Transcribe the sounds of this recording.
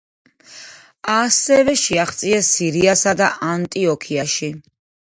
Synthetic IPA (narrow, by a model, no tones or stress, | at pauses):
asɛvɛʃiaχt̪sʼiɛsːiɾiasad̪aʔant̪ʼiɔkʰiaʃi